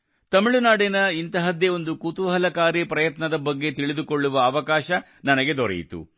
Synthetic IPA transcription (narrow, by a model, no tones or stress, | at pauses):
t̪ɐmiɭunaːɽenɐint̪ɐɦɐd̪jɐo̞nd̪ukut̪uʋɐɦɐlɐkaːɾjɐpɾɐjɐt̪nɐd̪ɐbɐɡːe̞t̪iɭid̪ukoɭːuʋɐːʋɐkaːʃɐ | nɐnɐɡe̞d̪ɔɾḛjḭt̪ṵ